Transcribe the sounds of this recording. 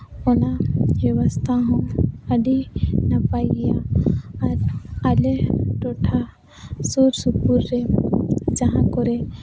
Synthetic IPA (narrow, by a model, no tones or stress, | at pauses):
ɔnabjɔwast̪ʰaɦɔ̃əɖʱinapajɡjaaɾaleʈɔʈʰa | suɾsukuɾːe | d͡ʒaɦãkɔɾɛ